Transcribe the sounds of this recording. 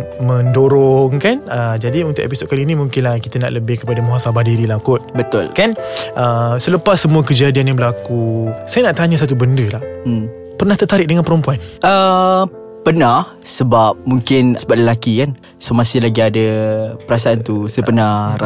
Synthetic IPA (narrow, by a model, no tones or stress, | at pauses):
məndoɾɔŋkanəd͡ʒadiunt̪ʊʔḛpisot̪̚kaliinĩmũŋkɪnlahkit̪əna̰ʔləbɪhkəpadamuɦasabahdiɾilakʊt̪̚bət̪ʊlkanʔəsələpasːəmuəkəd͡ʒadianjabəlakusajanaʔt̪aɲəsat̪̬ubəndəlah | pərnaht̪ərt̪aɾɪʔk̚dəŋanpəɾompuanʔə | pərnah | səbap̚mũŋkɪnsəbaʔ̪̚ləlakikan | somasɪhlaɡiadapəɾas̬aʔant̪usəpənaa